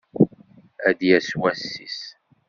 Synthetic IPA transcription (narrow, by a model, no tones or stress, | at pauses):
æd̪jæswæsːis